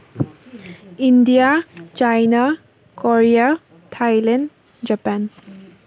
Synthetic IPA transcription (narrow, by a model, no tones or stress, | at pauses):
indijat͡ɕajna | kɔɹia | tʰajlen | d͡ʑapan